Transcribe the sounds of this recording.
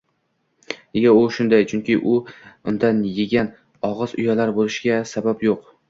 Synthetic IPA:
neɡʲaʊʃʊnd̪ajt͡ʃʰʊŋkʲɪʔʊʊnd̪anjeɡʲan | ɒʁɨzʊjalaɾbolɪʃɡʲasabapjoq

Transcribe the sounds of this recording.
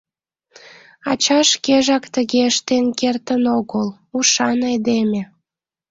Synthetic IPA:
ɑ̰t͡ɕɑʃkeʒɑkt̪əɣeəʃt̪enkert̪ənoɣəl | uʃɑned̪emʲe

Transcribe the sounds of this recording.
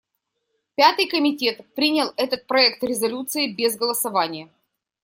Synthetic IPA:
pʲat̪ɨjkəmʲɪtʲe̞t̪pɾʲinʲəlˠɛt̪ət̪̚pɾɐɛk̚t̪ɾʲɪzɐlʲut̪sɨɪbʲezɡəlˠəsɐvanʲɪjə

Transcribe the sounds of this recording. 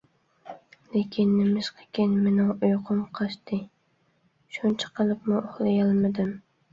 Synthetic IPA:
lekʲʰɪnːɪmɪʃqʰɨ̥kʲenmɪnʊŋʊjqʰʊmqʰɑʃt̪ɪ | ʃʊnt͡ʃʰḁqʰɨlˠɪpmɪʔʊχlˠɪjɑlˠmɪd̪ɪm

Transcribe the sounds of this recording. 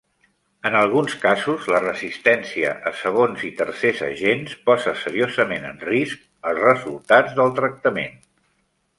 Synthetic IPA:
ənəlˠɣ̞unskazuzlərəzist̪ɛnsiə̰ʔəsəɣ̞onzit̪ərsezə̰ʒenspɔzəsəɾiozəmenə̰nrisk̚ | əlˠzrəzulˠt̪ad͡zðəlˠt̪ɾək̚t̪əmḛn

